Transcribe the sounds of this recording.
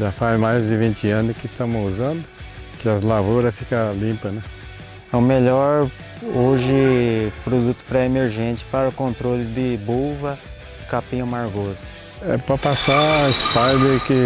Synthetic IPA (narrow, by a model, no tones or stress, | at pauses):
ʒafazmajzd̪ɪvĩnt͡ʃ̪ɪɐ̃nʊkɪst̪ɐ̃mʊuzɐ̃nd̪ʊ | kɪɐzlavoɾɐfikɐlĩpɐnɛ̃ | ɛũmeʎɔɾ | oʒɪpɾod̪ut̪ʊ̥pɾɛemeɾʒẽnt͡ʃ̪ɪ̥paɾʊkõnt̪ɾolɪd̪ɪbovɐ | ɪkapĩɲɐ̃maɾɡɔzʊ | ɛ̰pɾɐpasaɪspajd̪eɾkɪ